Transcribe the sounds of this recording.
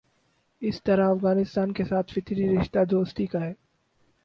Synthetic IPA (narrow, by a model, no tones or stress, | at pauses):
ɪst̪ɐɾaɐfɣaːnɪst̪aːnkesaːt̪ʰfɪt̪ʰɾiɾɪʃt̪ad̪oːst̪ikaɦɛː